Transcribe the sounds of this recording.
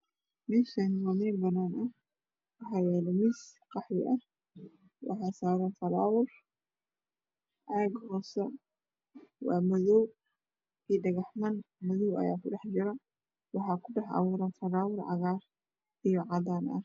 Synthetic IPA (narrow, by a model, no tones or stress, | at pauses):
mɪsɛnsɔːmɛːbɐnaːnɐh | wɑħɑwɛːlɐmɪs | qɑħwɪ̰ʔɐh | wʔɑ̰ħɑːsaːɾɐnfɐɾaːwʊr | ʕaːɡhɔːsɛ | wɑ̰ːmɐðɔw | kiːɖɐɣɑħmɐnmɐðɔwɐ̰jaːkʰʊɖɛħd͡ʒɪɾɐ | wɑħɑːkʰʊɖɑħʕɑ̰wʊɾaːntɐɾaːwʊrʕɑ̰ɣaːr | ijɔʕɑdaːnʔɐ̰h